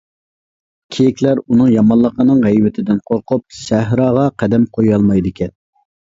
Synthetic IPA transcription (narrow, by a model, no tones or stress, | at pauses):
kʲʰejɪkʲlæɾunɨŋjɑmɑnlˠːəqənɨŋʁɛjwɪt̪ʰɪd̪ɪnqʰoɾqʊp̚ʃæɦɾɑːʁɑqʰæd̪ɛmqʰojɑlˠmɑjd̪ɪkʲʰɛn